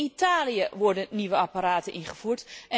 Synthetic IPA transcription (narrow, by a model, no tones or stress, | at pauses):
itaːlijəʋɔɹdənniʋəapaɾaːtənʔinχəfuɹtɛ